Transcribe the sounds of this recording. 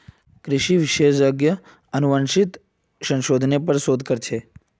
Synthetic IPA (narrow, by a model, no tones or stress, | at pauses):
kɾɪʃiʋɪʃed͡ʒəɡjə | ənuʋənʃɪt̪ | sə̃nʃod̪ʱnepəɾsoːd̪ʱkəɾt͡ʃʰe